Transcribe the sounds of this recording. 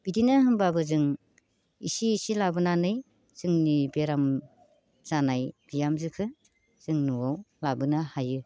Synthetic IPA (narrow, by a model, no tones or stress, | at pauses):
b̥idinaɦɯŋbabɯzɯŋ | ḭsiːsilabɯnanɯj | z̥ɯŋnibeɾam | z̥anajb̥ijamzɯkʰɯ | z̥ɯŋnuwawlabɯnahajɯ